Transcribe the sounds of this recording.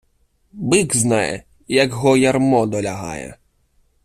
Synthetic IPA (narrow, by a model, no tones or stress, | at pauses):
bɪɡznajɛ̰ | jɐkɦɔjarmɔd̪ɔlʲaɦa̰jɛ̰